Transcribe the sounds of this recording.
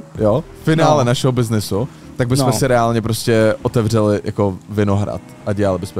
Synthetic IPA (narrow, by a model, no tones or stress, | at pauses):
jo | fɪnaːlɛnaʃɛɦobɪznɪsu | t̪aɡ̚bɪssmɛsɪɾɛaːlɲɛp̬ɾo̞scɛʔot̪ɛvr̝ɛlɪja̰ko̞vɪno̞ɦɾa̰t̪ʔaɟɛalɪbɪsmɛ